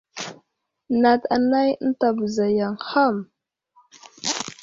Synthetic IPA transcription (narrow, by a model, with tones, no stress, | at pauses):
na˨ta˨na˦jn̩˦ta˨bə˨za˨ja˨ŋxa˦˨m